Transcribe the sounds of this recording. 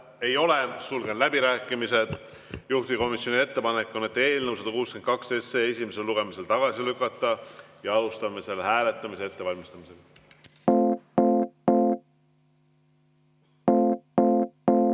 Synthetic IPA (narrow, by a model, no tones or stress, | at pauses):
e̞jo̞lesulɡ̥e̞nlæbiɾæːkːˑimise̞d̪̥ | juht̪iko̞misjo̞nʲie̞t̪ːe̞pɑnekːˑonet̪ːe̞ːlnəws̬ɑd̪̥ɑkuːsken̚kɑkse̞sːeesʲimese̞lːuɡ̥e̞mise̞lt̪ɑɡ̥ɑsilykːˑɑt̪ːˑɑjɑɑlust̪ɑmːese̞lːehæːle̞t̪ˑːɑmise̞e̞t̪ːe̞vɑlʲmist̪ɑmise̞l